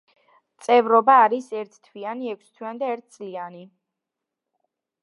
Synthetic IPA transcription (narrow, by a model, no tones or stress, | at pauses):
t̪sʼɛvɾɔbaːɾisɛɾt̪ʰt̪ʰwianiɛkʰʷst̪ʰwiand̪aɛɾt̪̚ʰt̪sʼliani